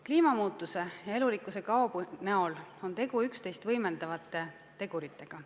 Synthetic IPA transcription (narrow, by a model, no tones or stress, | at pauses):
kliːmɑmuːt̪ːˑuse̞jɑe̞lulikːˑuse̞kɑob̥uneo̞lo̞nt̪e̞ɡ̥uykst̪e̞jst̪vɤjme̞nd̪̥ɑvɑt̪ːˑe̞ | t̪e̞ɡ̥uɾit̪ːˑe̞ɡ̥ɑ